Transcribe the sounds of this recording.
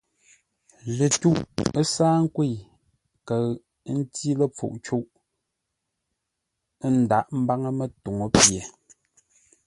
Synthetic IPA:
lə˨tu˦ʔə˦saː˦ŋ̩˦kwe˦˨ | kə˨˦ | n̩˦ti˦lə˨p͡fṵ˨ʔt͡ʃu˦ʔ | n̩˨da˨˦˨ʔm̩˦ba˦ŋə˦mə˦to˨ŋo˨pje˨

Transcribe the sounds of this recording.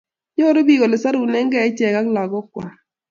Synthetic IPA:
jo˦ɾo˦bi˦˨ɣo˨lɪ˨sa˦ɾu˨nɛ˦ŋɡɛ˨ɛ˦t͡ʃɛ˨ka˦kla˨ɡɔ˦kwa˨

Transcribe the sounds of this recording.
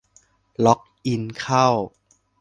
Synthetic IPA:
lɔ˦˥k̚ʔi˧nkʰa˥˩w

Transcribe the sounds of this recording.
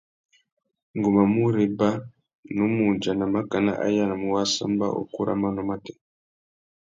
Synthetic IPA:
ŋɡu˨ma˨mu˦ɾɛ˨ba˦ | nu˦mu˨d͡ʒa˨na˨ma˦ka˨na̰˦ʔa̰˦ja˦na˨mu˨wa˦sa̰˦mba̰˦ʔo̰˨ku˦ɾʔa̰˦ma˦nɔ˨ma˦tɛ˨

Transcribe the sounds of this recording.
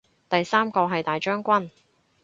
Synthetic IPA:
t̪ɐ˨jsaː˥mkɔː˧ɦɐ˨jt̪aː˨˩jt͡ʃœː˥ŋkʷɐ˥n

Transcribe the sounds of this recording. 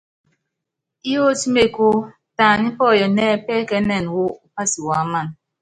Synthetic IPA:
i˦jo˦ti˦me˨ku˦ | ta˨ni˦pɔ˦˨jɔ˨nɛː˦pɛː˦kɛ˦nɛ˦˨n˨wo˦u˦pa˦si˨wa˨˦ma˦˨n

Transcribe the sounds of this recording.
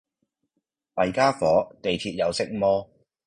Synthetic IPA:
mɐ˨˩jkaː˥fɔː˨˥t̪e˨jt̪ʰiː˧t̚jɐ˨˧wsɪ˥k̚mɔː˥

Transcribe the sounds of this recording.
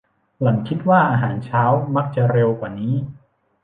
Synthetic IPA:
la˩˦ŋkʰi˦˥t̪̚waː˥˩ʔaː˧ɦaː˩˦nt͡ɕʰaː˦˥wma˦˥k̚t͡ɕa˨˩ɾe˧wkwaː˨˩niː˦˥

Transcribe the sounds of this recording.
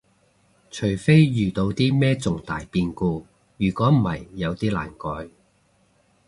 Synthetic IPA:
t͡ʃʰɵ˨˩fe˥jjyː˨t̪o˧wt̪iː˥mɛː˥t͡sʊ˨ŋt̪aː˨˩jpiː˧nkuː˧ | jyː˨˩kʷɔː˨˥m̩˨˩hɐ̰˨jːɐ˨˧wt̪iː˥la̰ː˨˩nkɔ̰ː˨˥j

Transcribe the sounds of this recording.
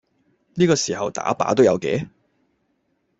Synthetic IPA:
niː˥kɔː˧siː˨˩hɐ˨wt̪a̰ː˨˥pa̰ː˨˥t̪̬o˥wjɐ˨˧wkɛː˨˥

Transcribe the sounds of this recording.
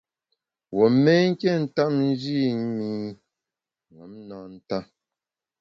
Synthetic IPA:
wɔ˨mɛ˦ŋ̩˦kɛ˦˨n̩˨ta˦˨mn˦d͡ʒi˦˨ɲ˦mi˦ | ŋɔ˨˦mnɔ˨n̩˦ta˦

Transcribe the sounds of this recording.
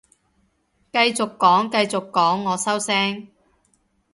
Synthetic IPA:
kɐ˧jt͡sʊ˨kːɔː˨˥ŋkɐ˧jt͡sʊ˨kːɔː˨˥ŋːɔː˨˧sɐ˥wsɛː˥ŋ

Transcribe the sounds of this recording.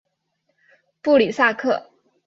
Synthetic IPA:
pu˥˩li˨˩sa˥˧kʰɤ˥˩

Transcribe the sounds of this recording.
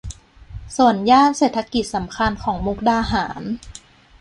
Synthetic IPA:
su˨˩˦ənjaː˥˩nseː˨˩t̪ʰa˧ki˨˩t̪̚sa˩˦mkʰa˧nkʰɔː˩˦ŋmu˦˥k̚daː˧ɦaː˩˦n

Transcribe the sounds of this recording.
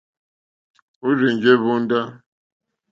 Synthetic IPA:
u˦ɾi˨ɲd͡ʒe˦βu˦n˦da˦

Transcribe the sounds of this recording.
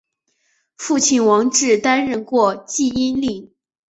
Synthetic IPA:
fu˥˧t͡ɕʰi˥˩nwɑ˧˥ŋʈ͡ʂɻ̩˥˩t̪a˥nɻə˥˧nkwɔ˥˧t͡ɕi˥˩i˥nli˥˩

